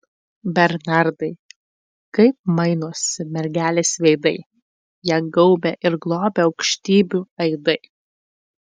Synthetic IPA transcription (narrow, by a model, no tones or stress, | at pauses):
bʲɛɾnɑɾd̪ɐɪ | kɐɪp̚mɐɪnoːsʲɪmʲɛɾʲɡʲæːlʲeːsʋʲɛɪd̪ɐɪ | jiːɡɐʊbʲeʔɪɾɡlˠoːbʲɛɒʊkʃʲt̪ʲiːbʲuːɐɪd̪ɐɪ